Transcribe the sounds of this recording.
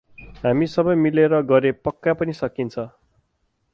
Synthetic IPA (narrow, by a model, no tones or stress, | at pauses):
ɦamisʌbʌjmileɾʌɡʌɾepʌkːapʌnisʌkint͡sʰʌ